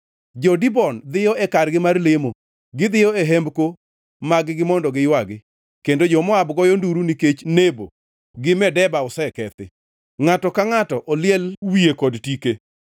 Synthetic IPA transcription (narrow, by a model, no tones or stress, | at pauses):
d͡ʒɔdibɔnd̪ɪjɔɛkarɡɪmarlemo | ɡɪd̪ɪjɔeɦɛmbko | maɡɡɪmɔndɔɡɪjwaɡɪ | kendod͡ʒɔmɔabɡɔjɔnduɾuniket͡ʃnebo̰ | ɡɪmɛdɛbaʊsɛkɛt̪ɪ | ŋatɔkaŋatɔʔɔlɪjɛlwiekɔdtike